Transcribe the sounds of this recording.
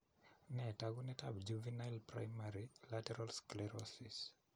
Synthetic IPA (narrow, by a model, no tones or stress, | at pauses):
nɛtaɡunɛtabd͡ʒuvinajlpɾa̰jmaɾilatɛɾalsklɛɾɔsis